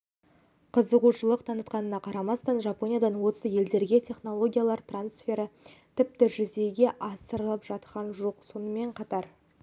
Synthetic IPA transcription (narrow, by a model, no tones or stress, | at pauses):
qʰəzəʁuʃəlˠəqt̪ʰɑnət̪qɑnənɑqʰɑɾɑmɑst̪ɑnʒɑpo̞nʲijad̪ɑnwo̞səje̞ld̪e̞ɾɡʲe̞tʲʰe̞χno̞lˠo̞ɡʲijalˠɑɾt̪ransfʲe̞ɾət̪ʰɪp̚t̪ɪʒʏze̞ɡʲe̞ʔɑsəɾəlˠəpʒɑt̪qɑnʒo̞qso̞nəme̞ɴqʰɑt̪ɑɾ